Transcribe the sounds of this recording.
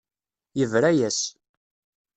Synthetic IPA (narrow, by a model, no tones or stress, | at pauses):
jəvɾæjæs